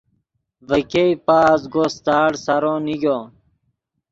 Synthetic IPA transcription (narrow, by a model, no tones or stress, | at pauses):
vəkeipaːzɡost̪aːɽsɐɾõːniɡoː